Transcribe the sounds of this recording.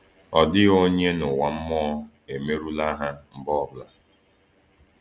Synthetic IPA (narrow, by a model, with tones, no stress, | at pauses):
ɔ˨dɪ˦o˦ɲe˦nʊ˨wa˨m̩˦mɔ˦ | e˨me˦ɾu˦la˦ɦa˦m̩˨bɔ˦˨bla˦